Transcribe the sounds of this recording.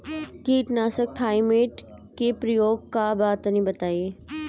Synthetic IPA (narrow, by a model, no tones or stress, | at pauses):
kiːʈnaːsək̚t̪ʰaːɪmeːʈ | kepɾɐjoːɡ̚kabaːt̪nĩbɐt̪aːieː